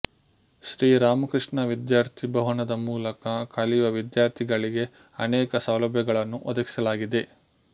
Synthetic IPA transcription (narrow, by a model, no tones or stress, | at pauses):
ʃɾiːɾaːmɐkɾɨʂɳɐʋid̪jaːɾt̪ʰibʱɐɦɐnɐd̪ɐmuːlɐkɐkʰɐliʋɐʋid̪jaːɾt̪ʰiɡɐɭiɡe̞ | ɐnɛːkɐsɐwlɐbʱjɐɡɐɭɐnːuʔɔd̪ɐki̥sɐlaːɡid̪e̞